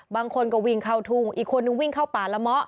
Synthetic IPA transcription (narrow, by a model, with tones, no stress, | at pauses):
baː˧ŋkʰo˧nkɔ˧˩wi˧˩ŋkʰa˥˩wt̪ʰuː˧˩ŋʔiː˨˩kʰːo˧nːɯ˧˥˦ŋwi˥˩ŋkʰa˥˩wpaː˨˩la˧˥mɔ˦˥ʔ